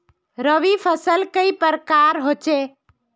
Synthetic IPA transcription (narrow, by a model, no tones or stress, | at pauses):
ɾəʋipʰəsəlkəipəɾkaɾɦot͡ʃe